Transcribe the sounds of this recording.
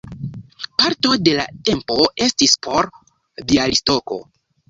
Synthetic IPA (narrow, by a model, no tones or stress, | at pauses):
paɾto̞de̞la̰te̞mpo̞e̞stispʰo̞ɾ | dialisto̞ko̞̰